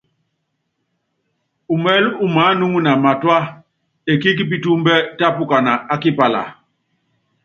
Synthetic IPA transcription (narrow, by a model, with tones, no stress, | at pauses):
u˨mɛ˦lu˨ma˨˦nu˦ŋu˦na˨ma˨twa˦ | e˨ki˦k̬i˦p̬i˦˨tu˦mbɛ˦ta˦pu˦ka˨na˨a˨ki˦pa˨la̰˨